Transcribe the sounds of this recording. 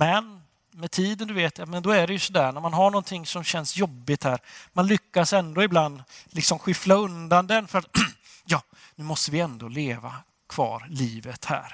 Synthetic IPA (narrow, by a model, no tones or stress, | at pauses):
mɛn | mɛt̪ʰiːd̪ənd̪ɵveːt̪jamɛnd̪ɔæɖɛjɵsɔd̪æːɳæɾmanɦaɳɔnt̪ʰɪŋːsɔmɕɛnsjɔbːɪt̪hæːɾmanlʏkːasɛnd̪oːɪbland̪lɪksɔmɧɪflaɵnd̪and̪ɛnfœɾat̪ | jɑː | nʉːmɔst̪əvɪɛnd̪oːleːva̰ | kʰv̥ɑ̰ːɾliːvət̪hæ̰ːɾ